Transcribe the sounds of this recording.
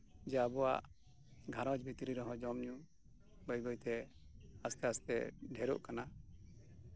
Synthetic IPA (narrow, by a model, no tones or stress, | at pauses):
d͡ʒaabɔwa̰ʔ | ɡʱaɾɔ̃d͡ʒbit̪ɾiɾɔɦɔ̃d͡ʒɔmɲu | bəjɡɔjt̪ɛ | ast̪ɛast̪ɛ̰ɖʱɛɾɔ̰ʔkana